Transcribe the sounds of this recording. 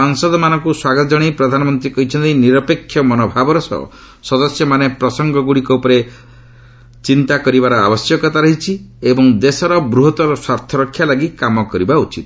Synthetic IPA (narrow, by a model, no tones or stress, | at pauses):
ɔŋsɔd̪ɔmanɔŋkuswaɡɔt̪ɔd͡ʒɔɽ̃ejpɾɔd̪ʱanɔmɔnt̪ɾikɔɦit͡ʃʰɔnt̪ejniɾɔpekʰːjɔmɔnɔbʱabɔɾɔsɔ̰ɔ̰ | sɔd̪ɔsjɔmanepɾɔsɔŋɡɔɡuɽikɔupɔɾe | t͡ʃint̪akɔɾibaɾɔa̰bɔsjɔkɔt̪aɾɔɦit͡ʃʰiebɔŋd̪esɔɾɔbɾuɦɔt̪ɔɾɔswaɾt̪ʰɔɾɔkʰːjalaɡikamɔkɔɾibaut͡ʃit̪